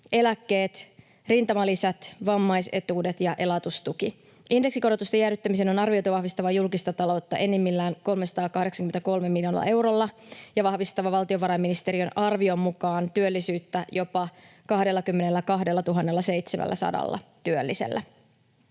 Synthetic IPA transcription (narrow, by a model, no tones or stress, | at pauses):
e̞lækːe̞ːt̪ | rint̪ɑmɑlisæt̪ʋɑmːɑjse̞̰t̪uːdet̪jɑʔe̞lɑt̪ust̪uki | ʔinde̞ksiko̞ɾo̞t̪ust̪ejæːɾyt̪ːæmiseno̞nɑrʋio̞jt̪oʋɑhʋist̪ɑʋɑjulkist̪ɑt̪ɑlo̞wt̪ːɑʔe̞nːemːilːæːŋko̞lmesɑ̥t̪ɑːkɑhde̞ksɑŋkymet̪æko̞lmemːiljo̞nḛl̰ɑ̰ʔe̞wɾolːɑjɑʋɑhʋist̪ɑʋɑʋɑlt̪io̞ʋɑɾɑjmːinist̪e̞ɾiønʔɑrʋio̞mːukɑːnt̪yølːisyːt̪ːæjo̞pɑkɑhde̞lːɑkymːe̞ne̞lːækɑɦde̞lːɑt̪uɦɑnːelːɑsejt̪sḛmʔæ̰lːæ̰sɑ̰dɑ̰lːɑ̰t̪yølːisḛlːæ